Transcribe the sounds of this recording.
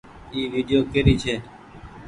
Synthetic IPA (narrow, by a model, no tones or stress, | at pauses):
iːʋiːɖjoːkeɾiːt͡ʃʰeː